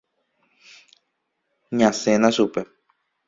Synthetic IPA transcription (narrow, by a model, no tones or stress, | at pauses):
ɲãsenãʃupe